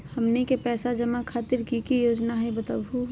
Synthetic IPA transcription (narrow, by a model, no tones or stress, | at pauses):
həmnekepɛːsad͡ʒəmakʰaːt̪ɪɾkikijoːd͡ʒnaɦɛbət̪əbuɦ